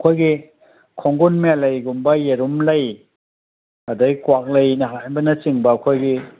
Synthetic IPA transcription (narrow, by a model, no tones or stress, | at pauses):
ɐkʰojɡi | kʰɔŋɡunmialɐjɡumbɐjeɾumlɐj | ɐdaɡkwak̚lɐjnɐɦajbɐnɐt͡ʃiŋbɐːkʰojɡi